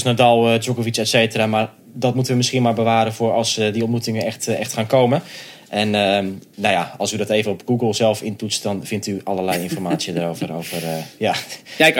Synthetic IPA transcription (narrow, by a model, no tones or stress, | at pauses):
snadɔlˠəd͡ʒokovisɛtseːtəramar | dɔtmutəʋəmɪskiənmaːɹbəʋaːɾəvʊrɑlˠsdiɔnt̚mutɪŋənɛxtɛxtxaːnkowmən | ʔɛnənawjaɔlˠsydɔteːvənɔpɡuɡəlˠzɛlˠfɪnpusdɔnfɪntyalˠərlɛjɪnfɔrmaːt͡sjəndaːɾowvərowvərja